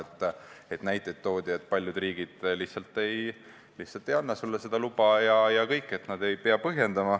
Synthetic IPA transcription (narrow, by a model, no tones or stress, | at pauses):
et̪ːˑe̞t̪næjt̪ːˑet̪ːo̞ːd̪̥ʲiet̪̚ːˑpɑlʲjud̪riːɡ̥id̪̥lihsɑlt̪ːˑe̞j | lihtsɑlt̪ːˑe̞jɑnːɑsulːese̞d̪̥ɑlubɑjɑjɑkɤjkːˑe̞t̪nɑd̪e̞jpeɑpɤɦje̞nd̪̥ɑmɑ